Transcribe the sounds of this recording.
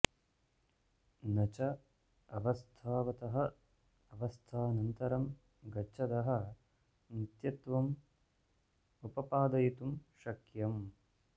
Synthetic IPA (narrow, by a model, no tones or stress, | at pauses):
nɐt͡ʃɐ | ɐʋɐst̪ʰaːʋɐt̪ɐɦɐ̆ | ɐʋɐst̪ʰaːnɐnt̪ɐɾɐm | ɡɐt͡ʃʃʰɐd̪ɐɦɐ̆ | nit̪jɐt̪ʋɐm | upɐpaːd̪ɐjit̪umʃɐkjɐm